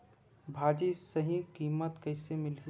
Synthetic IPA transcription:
bʱaːd͡ʒisəɦĩkiːmət̪kɐɪsemɪli

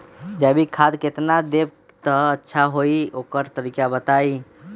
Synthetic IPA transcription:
d͡ʒɛbʱikʰad̪ket̪nad̪eb̚ | t̪ɔətːʃʰaɦoiokəɾt̪əɾikabət̪ai

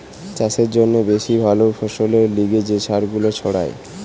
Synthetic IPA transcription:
t͡ɕaseɾd͡ʑonːebeʃibʱalofoʃoleɾliɡed͡ʑeʃaɾɡulot͡ɕʰɔɽa̰e

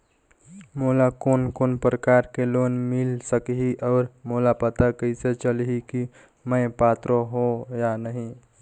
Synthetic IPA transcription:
molakonkoːnpɾəkaɾkelonmilsəkɦiʔɔːɾmolapət̪akəɪset͡ʃəlɦiki | məɪpat̪ɾoɦojanəɦĩ

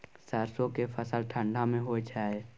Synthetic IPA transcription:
səɾsõkefʰəsəlʈʰə̃ɳɖʱamẽɦoet͡ʃʰaːe

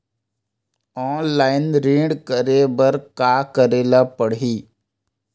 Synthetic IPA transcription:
ɔːnlaːɪnɾĩːɖkəɾebəɾkaːkəɾeːlapəɽɦiː

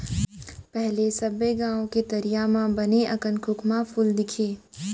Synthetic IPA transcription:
pɛɦlesɐbːeɡãːõket̪ɐɾijamãbɐneʔɐkənkʰʊkʰmapʰʊld̪ɪkʰeː

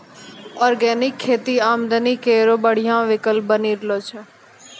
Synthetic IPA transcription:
ɔːɾɡɛːnɪkʰːeːt̪iːaːmd̪əniːkeːɾoːbəɽ̤ɪjãːʋɪkəl̚bəniːɾloːt͡ʃʰeː

